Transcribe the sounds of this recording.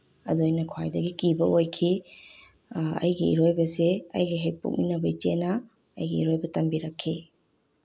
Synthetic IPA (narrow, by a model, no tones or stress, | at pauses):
ɐ̰duɐjnɐkʰwajdɐɡikibɐʔojkʰi | ɐ̰jɡiḭɾojbɐseɐ̰jɡiɦej̚po̰k̚minɐbɐit͡ʃenɐ | ɐ̰jɡiːɾojbɐtɐmbiɾɐkʰːi